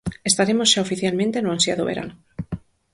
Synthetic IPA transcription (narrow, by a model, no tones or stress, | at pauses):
est̪aɾemozʝaofiθjalmẽnt̪enoansjaðo̰βeɾʔa̰no